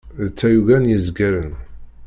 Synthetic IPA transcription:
ðt͡sːæjuɣænjəzɡæɾən

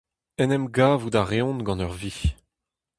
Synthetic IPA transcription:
ɛnɛmɡaːvud̪aʁeɔ̃nɡɑ̃nœʁvi

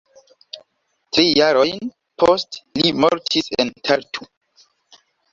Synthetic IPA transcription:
tɾijaɾo̞jn | pʰostlimoɾtʰisḛntʰaɾtʰu

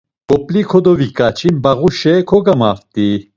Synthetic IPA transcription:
kʼɔpʼlikʰɔd̪ɔvikʼat͡ʃʰinbaɣuʃɛkʰɔɡamaft̪ʼi

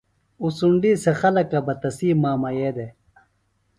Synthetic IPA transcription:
usuɳɖisexɐlɐkɐbɐt̪ɐsiːmaːmɐjeːd̪e

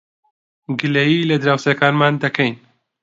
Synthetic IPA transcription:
ɡɨlɛjiːlɐd̪ɾaːwsekaːnmaːnd̪ɐkʰɛjn

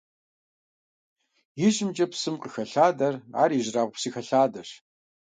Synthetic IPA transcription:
jɪʑɪmt͡ʃʼɐpsɨmqəxɐɬaːdɐra̰ːɾiːʑraːʁʷpsiːxɐɬaːdɐr

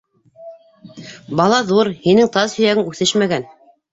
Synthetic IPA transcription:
bɑlˠɑðuɾhinɘŋt̪ɑzhɵ̆jæɡɘŋʉθɘʃmæɡæn

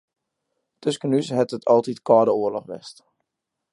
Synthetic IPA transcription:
tøskənyshɛtətʰɔlˠtitkɔːdəuərlɔχʋɛ̰st

